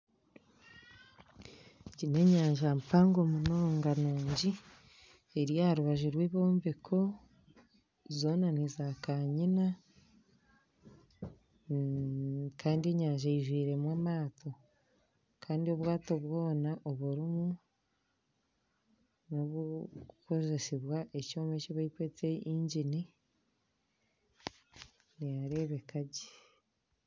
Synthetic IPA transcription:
cine̞ɲaːɲʒampaːŋɡo̞muno̞ːŋɡanuːɲɟi | eɾijahaɾuβaʒiɾweːβo̞ːɱvekʰo̞ | zo̞ːnanizakaɲina | kaːndie̞ɲaːɲʒaiʒwiːɾe̞mwamaːtʰo̞ | kʰaːndio̞βwaːto̞βwo̞ːnaʔo̞βuɾimu | noβuko̞ze̞siβwaʔe̞coːmeciβaikwet͡se̞iɲɟini | nijaɾe̞ːβe̞kaɟe

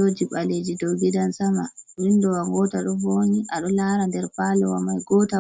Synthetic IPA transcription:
od͡ʒiɓaled͡ʒidoɡidansama̰windɔwaŋɡɔtaɗɔboɲiʔaɗɔlaɾandɛɾpalɔwamajɡɔta

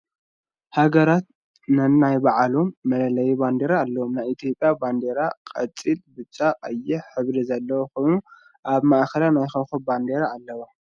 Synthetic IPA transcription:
haɡɐɾat̪̚ | nɨnːajbaʕalomːɐlɐlɐjiband̪eɾaːlːɐwomnajit̪ʰijo̞pʼːjaband̪eɾaqʼɐt͡sʼːilbɨt͡ʃʼːaqʼɐjːɛħɨβɾizɐlːɐwokʰo̞jnu | ʔaβmaʔxɐlanajxɐxoband̪eɾaːlːɐwo

